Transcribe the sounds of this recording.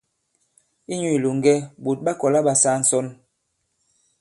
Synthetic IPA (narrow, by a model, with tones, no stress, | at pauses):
i˦ɲu˦i˨lu˨ŋ˦ɡɛ˦bo˨t̚ɓa˦kɔ˨la˦ɓa˨sa˦n̩˨sɔ˦n